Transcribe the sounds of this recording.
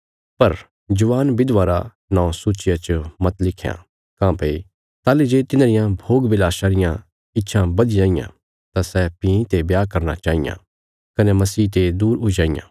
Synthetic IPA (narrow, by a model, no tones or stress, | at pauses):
pɐɾ | d͡ʒʊʋaːnbɪd̪ʋaːɾa | nãːõsuːt͡ʃɪjat͡ʃəmɐt̪lɪkʰja̰ | kãːpei | t̪aːlid͡ʒeːt̪ɪnaːɾɪjãbʱoːɡbɪlaːʃaɾɪjã | ɪtːʃʰãbɐd̪id͡ʒãːɪjã̰ | t̪asɛpĩːĩt̪ebjaːkɐɾna̰t͡ʃaːɦɪjã̰ | kɐnemɐsiːt̪ed̪uːɾɦʊid͡ʒaːɪjã̰ː